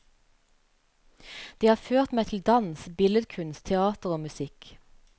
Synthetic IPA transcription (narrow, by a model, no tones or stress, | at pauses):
d̪̥iːhɑːføːʁt̪meːt̪ʰl̩d̪ɑnsbɪləd̪kʰʉnst̪t̪ʰɛɑːt̪əʁoːmʉsɪk